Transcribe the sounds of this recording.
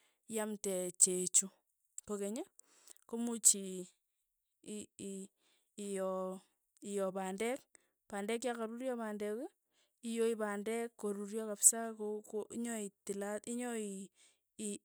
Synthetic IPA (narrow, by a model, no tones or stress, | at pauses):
jamtɛt͡ʃet͡ʃu | kokeɲe | komut͡ʃi | jɔ | ijɔpandɛk̚ | pandɛk̬jakaɾuɾjɔpandɛk | ijoipandɛkːoɾuɾjɔkapsakokoiɲɔitilatiɲɔi